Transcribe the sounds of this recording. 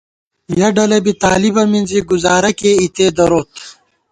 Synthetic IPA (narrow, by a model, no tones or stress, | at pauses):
jɐɖɐlɐbit̪aːlibɐminziɡuzaːɾɐkeːit̪eːd̪ɐɾoːt̪